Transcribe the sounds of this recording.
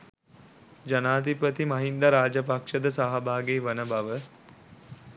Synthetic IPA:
d͡ʒanaːd̪ipət̪imɐɦind̪aɾaːd͡ʒəpakʂəd̪əsaɦabaːɡeːʋənəbaʋə

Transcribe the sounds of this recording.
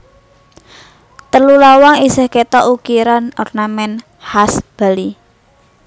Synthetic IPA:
t̪əlulawaŋisəhket̪ɔʔukiɾanɔrnamɛn | hasb̥a̤li

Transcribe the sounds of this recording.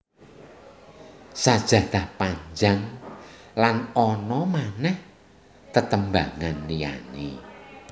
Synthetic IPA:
sad̥ʒ̥ä̤t̪ahpaɲd͡ʒaŋ | lanɔnɔmanɛh | t̪ət̪əmbaŋanlija̰nḛ

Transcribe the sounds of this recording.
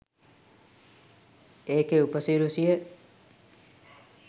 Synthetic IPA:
eːkeupəsiɾusijə

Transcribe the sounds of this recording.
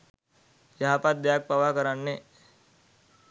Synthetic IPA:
jaɦapat̪̚d̪jaːk̚paʋakəɾanːe

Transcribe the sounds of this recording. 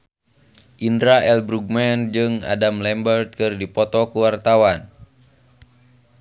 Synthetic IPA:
ʔindɾaʔɛlbɾuɡ̚mɛnd͡ʒɨŋa̰damlɛmbərt̪̚kɨrdipɔt̪ɔkuwart̪awan

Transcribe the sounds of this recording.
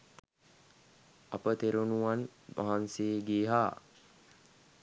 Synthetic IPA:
apət̪eɾunuʋanmʔa̰ɦanseːɡiːɦaː

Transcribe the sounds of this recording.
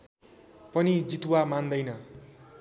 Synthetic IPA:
pʌnid͡zit̪uwamand̪ʌjnʌ

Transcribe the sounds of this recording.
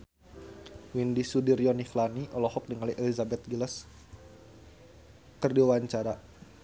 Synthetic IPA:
windisudirjɔnixlaniʔɔlɔhɔk̚dəŋaliʔɛlizabɛt̪̚ɡiləs | kərdiawaɲt͡ʃaɾa

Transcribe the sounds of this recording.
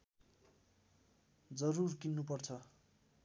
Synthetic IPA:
d͡zʌɾurkinːupʌrt͡sʰʌ

